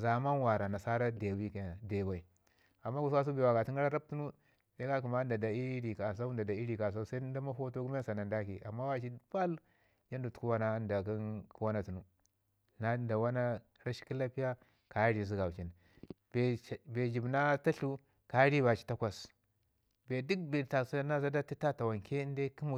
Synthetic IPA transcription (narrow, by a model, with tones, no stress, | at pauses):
za˨ma˦nwa˨ɾa˨na˨sa˦ɾa˦de˨wi˦ka˨de˨ba˨i˨ | a˨mːa˦ku˨swa˦s̬u˦be˨wa˨ɡa˨ti˦ŋɡa˦ɾa˦ɾa˦b̚tu˦nu˦ | sa˦a˦ku˨ma˦nda˨da˨i˦ɾi˨ka˨s̬a˦nda˨da˨i˦ɾi˨ka˨s̬a˦sa˦da˦ma˦fo˦to˦ɡu˦m˦a˦sa˨na˨nda˦ki˨ʔa˨mːa˦wa˦t͡ʃi˦pa˦l | d͡ʒa˦ndu˨tu̥˨ku˦wa˦na˦nda˨ki˦nku˦wa˦na˦tu˨nu˦ | na˦nda˨wa˦na˦ | ɾa˦ʃi̥˦ki˦la˦pi˦ja˦ | ka˨˦ɾi˦˨zi˦ɡa˨t͡ʃi˨n | be˨be˨d͡ʒi˨bna˦ta˦ɬu˦ | ka˦ɾi˦ba˨t͡ʃi̥˦ta˦kʷa˨s | be˨du˦k̚be˨ta˨sna˦za˦da˦ti˦a˦ta˨wa˨nke˦nde˦ki˦mu˦˨